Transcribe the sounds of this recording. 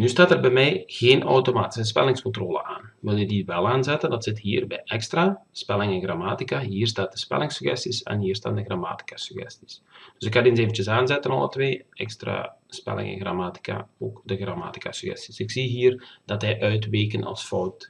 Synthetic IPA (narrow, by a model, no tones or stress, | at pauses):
nystaːtɛrbɛjmɛjɣeːnʔɔwtomaːti̥səs̬pɛ̰lɪŋskɔntroːlə̰ʔaːnʋɪlˠjədiʋɛlˠaːnzɛtəndɑtsɪtɦiːrbɛ̰jʔɛkstraspɛlɪŋɛnɣramaːtikaɦiːərstaːt̚dəspɛ̰lɪŋsyxɛ̰stisɛ̰nɦiərsta̰ːndəɣrama̰ːti̥kasəɣɛ̰sti̥sd̥øsɪkːadins̬eːvən̩t͡ʃəsaːnzɛtənɔ̰lˠə̰tʋeːɛkstra̰spɛ̰lɪ̰ŋɛ̰nɣramaːti̥ka̰oːkdəɣrama̰ːti̥kasəɣɛ̰sti̥sɪksiɦiːrd̥ɔtɦɛjʔœɥtʋeːkənɔ̰lˠsfɔwt